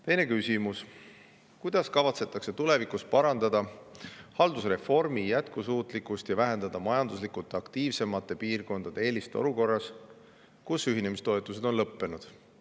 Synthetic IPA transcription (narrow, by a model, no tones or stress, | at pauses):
t̪e̞jne̞kysʲimus | kujd̪̥ɑskɑvɑt̪se̞t̪ːˑɑkse̞t̪ule̞vikuspɑɾɑnd̪̥ɑd̪̥ɑhɑld̪usre̞fo̞rmijæt̪kusuːt̪ˑlikust̪jɑvæɦe̞nd̪̥ɑd̪̥ɑmɑjɑnd̪uslikut̪eɑkt̪iːvse̞mɑt̪ːˑe̞piːrko̞nd̪̥ɑd̪eeːlist̪eo̞̰luko̞rːɑs | kusyɦine̞mist̪o̞et̪ːˑus̬e̞d̪o̞nlɤpːe̞nud̪̥